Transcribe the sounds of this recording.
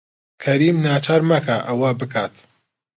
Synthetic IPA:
kʰɐɾiːmnaːt͡ʃʰaːɾmɐkʰaʔɐwɐbɨkʰaːt̪

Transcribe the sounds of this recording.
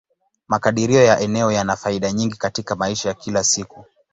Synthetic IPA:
makaɗiɾiɔjaʔɛnɛɔjanafaiɗaɲiŋɡikatikamaiʃajakilasiku

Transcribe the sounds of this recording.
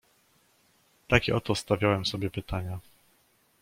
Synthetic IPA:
t̪akʲɛ̰ʔɔt̪ɔst̪avʲjawɛmsɔbʲjɛpɘt̪aɲa

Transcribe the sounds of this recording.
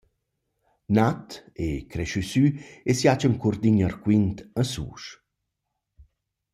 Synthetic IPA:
nat̪ekɾɛʃysyesjat͡ʃəŋkurd̪iɲəɾkwint̪əsṵːʃ

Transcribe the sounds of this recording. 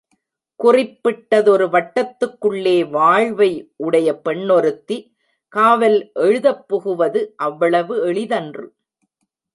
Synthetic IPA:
kʊrɪpːɪʈːɐðɔɾɯʋɐʈːɐt̪ːɯkːɯɭːeːʋaːɻʋɐɪʔʊɽɐjɐpɛɳːɔɾɯt̪ːi | kaːʋɐlʔɛɻɯðɐpːɔɣɯʋɐðɯʔɐʋːɐɭɐʋɯɛɭɪðɐndrɯ

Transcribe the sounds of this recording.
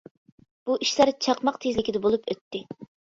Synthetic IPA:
b̥uʔiʃlæɾt͡ʃʰɑqmɑqt̪ʰezlɪkʲid̪ɛbolˠupʰøt̪ʰːɪ

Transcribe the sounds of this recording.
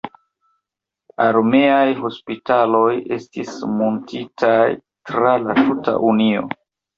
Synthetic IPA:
aɾme̞ajho̞spitalo̞je̞stismontʰitʰaj | tɾalatuta̰ʔunio̞̰

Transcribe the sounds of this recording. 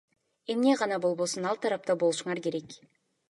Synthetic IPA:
e̞mne̞ʁɑnɑbolˠβo̞sunɑlˠt̪ʰɑɾɑp̚t̪ɑbo̞lˠuʃuɴɑɾke̞ɾe̞k

